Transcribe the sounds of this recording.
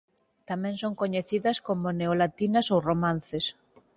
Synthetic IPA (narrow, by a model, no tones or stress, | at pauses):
t̪amɛ̃ŋsoŋkoɲeθiðɐskomoneolat̪inɐsowromãn̟θes